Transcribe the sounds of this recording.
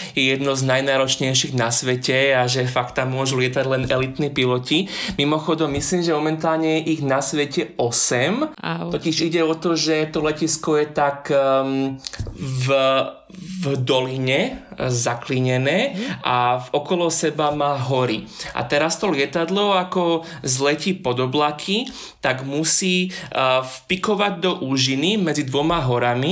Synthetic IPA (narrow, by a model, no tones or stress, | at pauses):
jɛjɛd̪nɔznajnaːɾɔt͡ʃɲɛjʃiɣnasʋɛcɛaʒɛfakt̪ːamːʊɔʒulɪɛt̪aɟlɛnɛlit̪nipilɔcimimɔxɔd̪ɔmːisliːmʒɛmɔmɛnt̪aːlɲɛjɛʔiɣnasʋɛcɛɔsɛmt̪ɔciʒiɟɛɔt̪ɔʒɛt̪ɔlɛciskɔjɛt̪ak | v | vd̪ɔliɲɛzakliɲɛnɛːa̰ɔkɔlɔsɛbamaːɦɔɾiʔa̰t̪ɛɾast̪ɔlɪɛt̪ad̪lɔakɔ | zlɛcipɔd̪ɔblakʰi | t̪aɡmusiːfpikɔʋaɟ̚d̪ɔʔuːʒinimɛd͡zid̪ʋɔmaɦɔɾami